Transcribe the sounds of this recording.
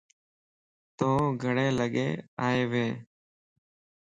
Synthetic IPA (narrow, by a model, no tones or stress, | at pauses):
t̪õːɡʱəɽeːləɠḛːaːeːʋeː